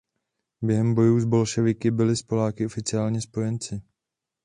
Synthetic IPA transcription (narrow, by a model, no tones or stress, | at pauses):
bjɛɦɛmbo̞juːzbo̞lʃɛvɪkɪbɪlɪspo̞laːkɪʔofɪt͡sɪaːlɲɛspo̞jɛnt͡sɪ